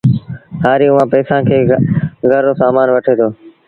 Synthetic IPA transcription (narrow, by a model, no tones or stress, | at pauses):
haːɾiːʊʋãːpɛːsãːkʰeːɡʱəɾoːsaːmaːnʋəʈʰeːt̪ʰoː